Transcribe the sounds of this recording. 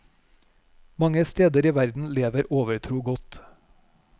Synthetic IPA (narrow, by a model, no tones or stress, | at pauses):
mɑŋəst̪eːd̪əɾiːʋæɾd̪n̩leːʋəɾoːʋəɾt̪ʰɾuːɡɔt̪